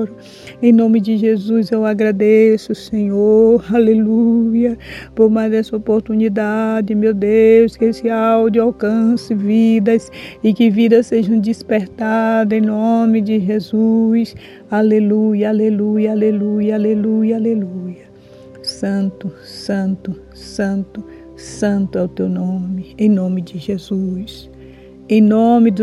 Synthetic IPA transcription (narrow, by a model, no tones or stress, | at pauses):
ɾɐ | ẽj̃nõmɪd͡ʒ̪ɪʒezuzewaɡɾad̪esʊseɲoɾalelujɐpoɾmajzd̪ɛsɐopoɾt̪unid̪ad͡ʒɪmewd̪ewskesɪawd̪ɪawkɐ̃sɪvid̪ɐsɪkɪvid̪ɐseʒɐ̃w̃d͡ʒ̪ispeɾt̪ad̪ɐẽj̃nõmɪd͡ʒɪʒezujs | alelujɐalelujɐalelujɐalelujɐaleluujɐ | sɐ̃nt̪ʊsɐ̃nt̪ʊ | sɐ̃nt̪ʊ | sɐ̃nt̪ʊɛʊt̪ewnõmɪẽj̃nõmɪd͡ʒɪʒezus | ẽj̃nõmɪd̪